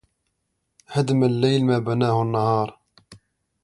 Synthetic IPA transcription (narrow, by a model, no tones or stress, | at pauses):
had̪məlːejlmæbænæhnːɑhɑːɾˤ